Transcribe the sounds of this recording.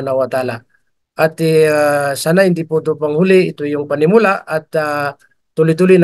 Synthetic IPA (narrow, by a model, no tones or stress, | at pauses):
nawat̪ala | at̪isanaind̪ipot̪̬upaŋhuliːt̪ujuŋpanimulaat̪a | ulit̪̬ulin